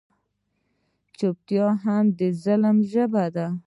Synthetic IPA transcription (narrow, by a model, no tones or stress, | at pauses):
t͡ʃop̚t̪jɑɦamd̪əzaləmʒəbad̪a